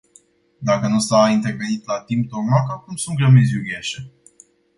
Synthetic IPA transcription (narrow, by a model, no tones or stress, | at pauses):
d̪akənusaint̪e̞rve̞nit̪lat̪imp̚t̪omakakumsunt̪̚ɡɾəmit̪sʲjuɡʲeʃe